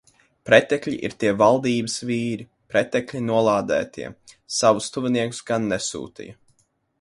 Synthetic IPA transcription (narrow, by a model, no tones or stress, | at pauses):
pɾɛt̪ɛklʲiʔḭɾt̪iɛvalˠd̪iːbəsviːɾi | pɾɛt̪ɛklʲinuɔlˠaːd̪æ̰ːt̪ʰḭɛ | savust̪uvʲiniɛku̥sɡanːɛsṵːt̪ḭjɐ